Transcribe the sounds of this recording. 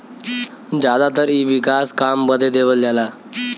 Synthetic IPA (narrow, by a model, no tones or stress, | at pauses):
d͡ʑad̪at̪əɾiːʋikaskambəd̪ʱed̪eʋəld͡ʑala